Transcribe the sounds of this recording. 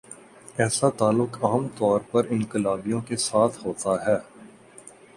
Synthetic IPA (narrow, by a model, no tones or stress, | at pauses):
ɛːsat̪aːlːʊkaːəmt̪ɔːɾpɐɾɪ̃ŋqɪlaːbijõkesaːt̪ʰɦoːt̪aɦɛː